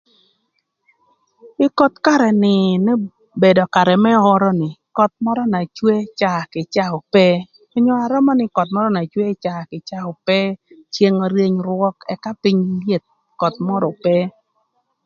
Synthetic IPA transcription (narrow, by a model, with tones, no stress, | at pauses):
ɪ˦kɔ˦tka˦ɾɛ˨nɪ˨nɛ˦ | be˨dɔ˨ka˨ɾɛ˨mɛ˦ɔ˦ɾɔ˦nɪ˨kɔ˨t̪̚mɔ˦ɾɔ˦na˨t͡ʃwe˦t͡ʃa˨kɪ˨t͡ʃa˦o˨pɛ˦ | ɔ˦ɲɔ˦a˨ɾɔ˦mɔ˦nɪ˨kɔ˨t̚mɔ˦ɾɔ˦na˨t͡ʃwe˦t͡ʃa˨kɪ˨t͡ʃa˦ʊ˨pɛ˦t͡ʃje˦ŋɔ˦ɾje˦ɲɾwɔ˦kɛ̰˦ka˦pi˦ɲlje˦t̪̚ | kɔ˨t̚mɔ˦ɾɔ˨pɛ˦